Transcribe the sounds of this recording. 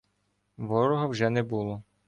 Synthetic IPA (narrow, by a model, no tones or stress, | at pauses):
ʋɔɾɔɦɐwʒɛnɛbulˠɔ